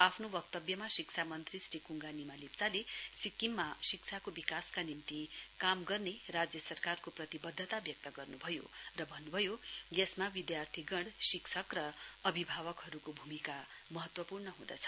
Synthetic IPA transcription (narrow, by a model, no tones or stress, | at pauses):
apʰnobʌk̚t̪ʌbjʌmasikt͡sʰamʌnt̪risrikuŋɡanimalipt͡salesikːimːasik̚t͡sʰakobikaskanimt̪ikamɡʌrnerad͡zjʌsʌrkarkoprʌt̪ibʌd̪ʱːət̪abjʌk̚t̪ʌɡʌrnubʱʌjo̰rʌbʱʌnːubʱʌjojʌsmabid̪jart̪ʰiɡʌɽsikt͡sʰʌkrʌʌbʱibʱaβʌkɦʌɾukobʱumika | mʌɦʌt̪wʌpurnʌɦũd̪ʌ̰t͡sʰʌ̥